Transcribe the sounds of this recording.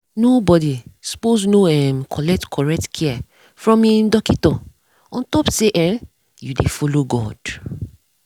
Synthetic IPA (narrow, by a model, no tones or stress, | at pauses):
nobɔdisu̥poznoɛmkʰɔlɛk̚tkʰɔɹɛk̚tkʰia | fɹɔ̃mĩndɔkitɔ̃ | ɔ̃ntɔpseʔɛ̃ | judḛfɔloɡɔ̰d̥